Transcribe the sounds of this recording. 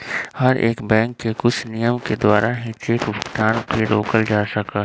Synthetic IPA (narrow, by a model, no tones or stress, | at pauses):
hɐɾʔḛːkbɛ̃ːŋkːekʊt͡ʃʰnijəmked̪waːɾaɦɪt͡ʃekʊt̪aːnpʰeɾoːkəld͡ʒaːsɐkaː